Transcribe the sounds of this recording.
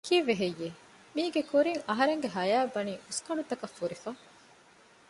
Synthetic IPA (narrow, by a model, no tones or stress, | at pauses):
kiːʋeɦejːe | miːɡekuɾiŋɐɦɐɾeŋɡeɦɐjaːbɐniːʔuskɐɳɖut̪ɐkɐfːuɾifɐ